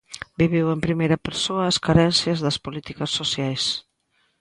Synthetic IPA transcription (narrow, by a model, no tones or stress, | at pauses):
biβiwempɾimejɾɐpeɾsoɐːskaɾɛnθjɐzðɐspolit̪ikɐsːosjajs